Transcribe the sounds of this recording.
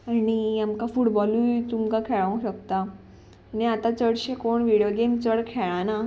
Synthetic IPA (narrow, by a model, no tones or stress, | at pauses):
aniamkafuʈbɔlujt̪umkakʰɛɭãũɕəkt̪a | niat̪at͡səɽɕekoɳʋiɽjoɡemt͡səɽkʰeɭãna